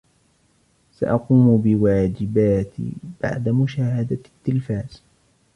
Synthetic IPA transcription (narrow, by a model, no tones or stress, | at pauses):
sa̰ʔɑquːmbɪwaːd͡ʒɪbaːt̪ḭb̥a̰ʕd̪amʊʃaːhad̪at̪ːɪlfaːz̥